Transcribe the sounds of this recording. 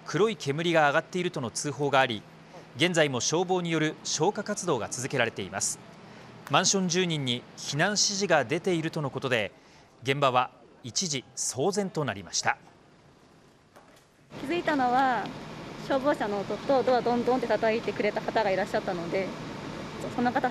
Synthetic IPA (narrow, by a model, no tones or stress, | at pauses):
kʰɯ̟ɾo̞ikʰe̞mɯ̟ɾʲiɡaːɡat̪ːe̞iɾɯ̟t̪o̞no̞t͡sɨːɦo̞ːɡaːɾʲi | ɡẽ̞nd͡zaimo̞ɕo̞ːbo̞ːɲ̟ijo̞ɾɯ̟ɕo̞ːkakat͡sɨd̪o̞ːɡa̰t͡sɨzɨke̞ɾaɾe̞t̪e̞ima̰sɨ̥mãɰ̃ɕõ̞ɲ̟d͡ʑɨːɲ̟ĩɲ̟ːiçinãɰ̃ɕiʑiɡad̪e̞t̪e̞iɾɯ̟t̪o̞no̞ko̞t̪o̞d̪e̞ | ɡẽ̞mbaβ̞a | it͡ɕiʑiso̞ːzẽ̞nt̪o̞naɾʲimaɕi̥t̪a | kʲizɨit̪ano̞βa | ɕo̞ːbo̞ːɕano̞ːt̪o̞t̪ːod̪oβad̪õ̞nd̪õnt̪et̪at̪ait̪e̞kɯ̟ɾe̞t̪akat̪aɡaiɾaɕːat̪ːano̞d̪e̞ | oso̞nokat̪a